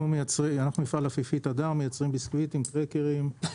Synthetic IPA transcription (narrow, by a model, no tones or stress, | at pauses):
umejat͡sʁianaχnumifalafifit̪ad̪aʁmejat͡sʁimbiskvit̪imt̪ʁekeʁim